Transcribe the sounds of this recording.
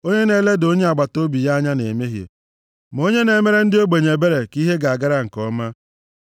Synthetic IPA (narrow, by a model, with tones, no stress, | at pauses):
o˦ɲe˦ne˦le˦do˦ɲe˦a˨ɡ͡ba˨to˦bi˨ja˦ɲa˦ne˨me˦ɦjḛ˨ | m˨o˦ɲe˦ne˨me˦ɾe˦n̩˦dɪ˦o˦ɡ͡be˨ɲe˨be˦ɾe˨ki˦ɦe˦ɡa˨a˨ɡa˦ɾa˦ŋ̩˨kɔ˦ma˦